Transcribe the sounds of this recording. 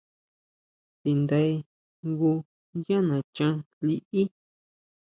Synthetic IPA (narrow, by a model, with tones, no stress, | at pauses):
t̪i˨nd̪e˧i˧ | ŋɡu˧ | jã˦nã˨t͡ʃã˦ | li˧ʔi˦